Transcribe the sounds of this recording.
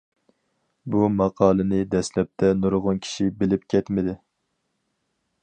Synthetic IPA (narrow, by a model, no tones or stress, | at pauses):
bumɑqʰɑːlˠɨnɨd̪ɛslɛp̚t̪ʰɛnuɾʁʊnkʲʰi̥ʃibɪlɪp̚kʲʰɛt̪mɪd̪ɪ